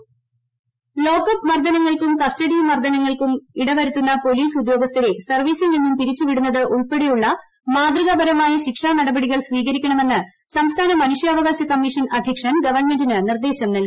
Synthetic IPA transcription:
lo̞ːkːɐpmɐrd̪ɐnɐŋːɐɭkumkɐstɐɽimɐrd̪ɐnɐŋːɐɭkumiɽɐʋɐɾut̪ːunːɐpo̞liːsud̪jo̞ːɡɐst̪ɐɾesɐrʋiːsilninːump̪iɾit͡ɕːuʋiɽunːɐðɨʔuɭpe̞ɽejuɭːɐ | maːd̪rɨɣɐbɐɾɐmaːjɐɕikʂaːnɐɽɐbɐɽiɣɐɭsʋiːɣɐɾikʲːɐɳɐme̞nːɨ | sɐmst̪ʰaːnɐmɐnuʂjɐːʋɐɣaːɕɐkɐmːiʂɐnɐd̪ʱjɐkʂɐnɡɐʋɐrɳme̞ndinɨnird̪e̞ːɕɐmnɐl

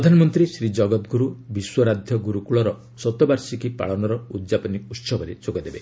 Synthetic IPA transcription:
ɾɔd̪ʱanɔmɔnt̪ɾisɾid͡ʒɔɡɔt̪ɡʱuɾubiswɔɾad̪ʱjɔɡuɾukuɭɔɾɔ | sɔt̪ɔbaɾsikipa̰ɭɔnɔɾɔud̪d͡ʒapɔniut̪sɔbɔɾed͡ʒoɡɔd̪ebe

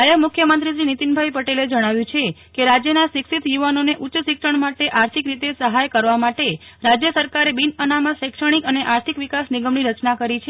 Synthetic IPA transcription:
jəmʊkʰjəmənt̪ɾiʃɾinit̪inbʱajpəʈeled͡ʒəɽ̃aʋjũt͡ʃʰekeɾad͡ʒjənaʃiksit̪juʋanoneʔutːʃəsikʃəɳmaʈeʔaɾt̪ʰikɾit̪esəɦajkəɾʋamaʈeɾad͡ʒjəsəɾkaɾebinənaməʃɛkʃəɽ̃ikəneʔaɾt̪ʰikʋikasniɡəmɳiɾət͡ʃnakəɾit͡ʃʰe

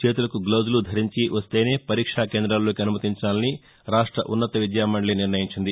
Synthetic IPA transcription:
t͡ʃeːt̪̬ulɐkuɡloːzulud̪ʱɐɾiɲt͡ʃiʋɐst̪e̞ːne̞ːpɐɾiːkʂaːkeːnd̪ɾalːo̞ːkiɐnumɐt̪iɲt͡ʃaːlɐni | ɾaːʂʈɾɐʔunːɐt̪ɐʋid̪jaːmɐɳɐliniɾnɐjiɲt͡ʃind̪i

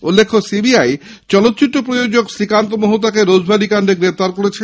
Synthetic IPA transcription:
ulːekʰːosibiaj | t͡ɕɔlot̪ːt͡ɕitːopɾojod͡ʑoksɾikant̪omoɦot̪akeɾod͡ʑbʱalikaɳɖeɡɾept̪aɾkoɾet͡ɕʰe

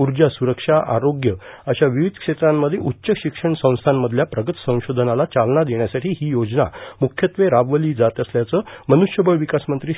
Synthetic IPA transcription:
uɾd͡ʑasuɾəkʂaʔa̰ɾoɡjəəɕaʋiʋid̪ʱkʂet̪ɾamːəd̪ʱjeʔutːɕəɕikʂəɳsə̃w̃st̪ʰanməd̪ʱljapɾəɡət̪sə̃w̃ɕod̪ʱnalat͡salnad̪eɳjasaʈʰiːɦiːjod͡ʑna̰mukʰjət̪ʋeɾaʋʋəliːd͡zat̪əsljat͡səmənuʂjəbəɭʋikasmənt̪ɾiː

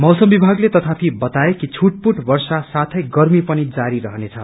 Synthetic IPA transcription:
mʌwsʌmbibʱaɡlet̪ʌt̪ʰap̪ʰibʌt̪aekit͡sʰuʈ̚puʈbʌrsasat̪ʰʌjɡʌrmipʌnid͡zaɾiɾʌɦʌnet͡sʰʌ

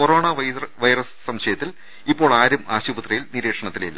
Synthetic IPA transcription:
koro̞ːɳɐʋɐʋɐjrɐssɐmɕɐjɐt̪ːil | ipːo̞ːɭaːɾumaːɕubɐt̪rɐjilniɾe̞ːkʂɐɳɐt̪ːililːɐ̰

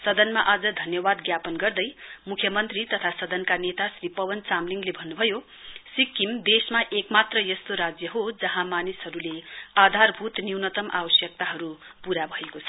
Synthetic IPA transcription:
sʌd̪ʌnmaʔad͡zʌd̪ʱʌnjʌbad̪̚ɡjapʌnɡʌrd̪ʌjmukʰjʌmʌnt̪rit̪ʌt̪ʰasʌd̪ʌnkanet̪asripʌwʌnt͡samliŋɡlebʱʌnːubʱʌjo | sikːimd̪esmaʔekmat̪rʌjʌst̪oɾad͡zjʌɦod͡zʌɦãmanisɦʌɾulead̪ʱarbʱut̪niwnʌt̪ʌmʔa̰bʌsjʌk̚t̪aɦʌɾu | puɾabʱʌekot͡sʰʌ̥

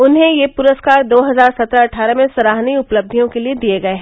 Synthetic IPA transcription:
ʊnɦẽjepʊɾəskaːɾd̪oːɦɐzaːɾsɐt̪ɾaɐʈʰaːɾəmẽsɐɾaːɦniʊpləb̚d̪ʱijõkelied̪ieɡɐeɦɛː

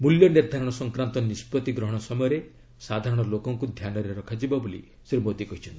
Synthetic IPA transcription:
muljɔniɾd̪ʱaɾɔɽ̃ɔsɔŋkɾant̪ɔnispɔt̪iɡɾɔɦɔɽ̃ɔsɔmɔjɔɾe | sad̪ʱaɾɔɽ̃ɔlokɔŋkud̪ʱjanɔɾeɾɔkʰad͡ʒibabolḭ | siɾmot̪ikɔɦit͡ʃʰɔnt̪ii

